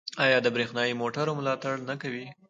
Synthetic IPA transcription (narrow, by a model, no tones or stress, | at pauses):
ɑjɑd̪əbɾexnɑjimoʈaɾomlɑt̪aɽnakawi